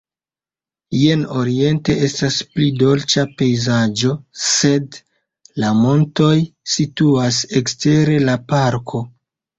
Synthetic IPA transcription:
jeno̞ɾie̞nte̞e̞stasplido̞lt͡ʃape̞jzad͡ʒo̞se̞d | lamo̞nto̞jsituase̞kste̞ɾe̞lapaɾkʰo̞

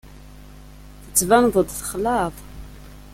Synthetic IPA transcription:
θət͡sːvæmðˤəd̪ˤθə̥χlɑðˤ

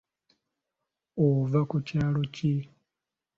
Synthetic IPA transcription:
ovakucaːlo̞ci

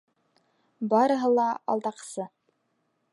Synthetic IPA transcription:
bɑɾɤ̆ɦɤlˠɑɑ̰lˠd̪ɑqsɤ

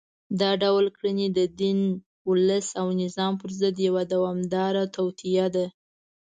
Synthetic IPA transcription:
d̪ɑɖawlkɽənid̪əd̪in | ʊləsawnɪzɑmpəɾzəd̪jawad̪awɑmd̪ɑɾat̪awt̪ijad̪a

